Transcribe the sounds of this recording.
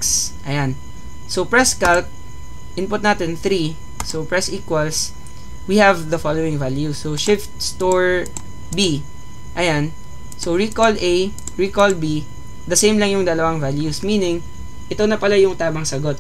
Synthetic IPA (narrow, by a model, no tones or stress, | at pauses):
sʔɐjan | sopɹɛskalt̪̚ | ʔɪnpʊt̪naːt̪ɛnθɾi | sowpɹɛsʔiːkwɐls | wihɛvd̪ɐfalowɪ̃ŋvaljusːoʃɪft̪̚st̪oɹ | bi | ʔɐjan | soɹikolej | ɹikolbi | d̪ɐsẽjmlɐŋjʊŋd̪ɐlɐwaŋvaljusminɪŋ | ʔɪt̪o̞nɐpɐlajʊŋt̪aːmɐŋsɐɡo̞t̪̚